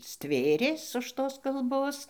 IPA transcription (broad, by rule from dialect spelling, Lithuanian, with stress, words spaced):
ˈsʲtʲʋʲeːrʲeːs ʊʃ ˈtoːs kɐlˠˈboːs